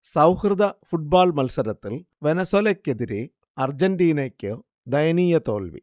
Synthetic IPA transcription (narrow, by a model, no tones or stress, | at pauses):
sɐwhrɨd̪ɐfuʈ̚baːlmɐlsɐɾɐt̪ːil | ʋenɐsolɐkːeðiɾe | ɐrd͡ʑɐnɖiːnɐkʲːɨ | d̪ɐjɐniːjɐt̪o̰ːlʋḭ